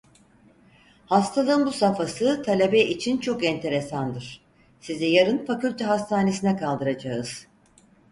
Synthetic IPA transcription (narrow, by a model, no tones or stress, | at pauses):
hast̪ʰalˠɯnbusafasɯt̪ʰalʲebɛʔit͡ʃʰint͡ʃʰo̞kɛnt̪ʰe̞ɾesand̪ɯɾ̥ | sizɛjaɾɯnfacylʲt̪ʰɛɦast̪ʰaːne̞sinɛkʰalˠd̪ɯɾad͡ʒaɯz̥